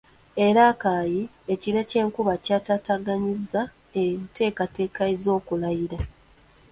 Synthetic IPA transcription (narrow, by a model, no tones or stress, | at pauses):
e̞ɾakaːji | e̞ciɾe̞ce̞ːŋkuβacaːtaːtaɡaɲizːa | etʰe̞ːkate̞ːkaezo̞ːkulajiɾa